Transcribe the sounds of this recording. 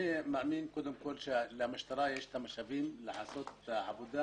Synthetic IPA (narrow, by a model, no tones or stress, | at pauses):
emaʔmiːnkʊd̪ʊmkolʃalamaʃt̪ɑɾˤɑːjʔɪʃt̪amaʃabiːmlaʕasot̪ʕabud̪a